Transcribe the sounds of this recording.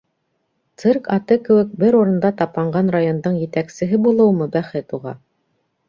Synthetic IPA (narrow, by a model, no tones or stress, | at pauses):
t̪sɘrkɑt̪ɤkɘ̆wɘk̚bɘɾuɾɤ̆nd̪ɑt̪ɑp̪ˠɑɴɢɑnɾajo̞nd̪ɤɴjɘ̆t̪æksɘ̆ɦɘbulˠɤwmɤbæχɘt̪uʁɑ̰